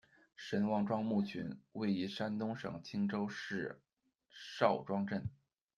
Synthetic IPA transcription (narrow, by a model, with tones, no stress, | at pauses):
ʂə˧˥nwɑ˥˧ŋʈ͡ʂwɑ˥ŋmu˥˩t͡ɕʰy̰˧˥nwe˥˩ɪi˧˥ʂa˥nt̪ʊ˥ŋʂɤ̰˨˩ŋt͡ɕʰi˥ŋʈ͡ʂo˥ʊʂɻ̩˥˧ | ʂɑ˥˩ʊʈ͡ʂwɑ˥ŋʈ͡ʂə˥˩n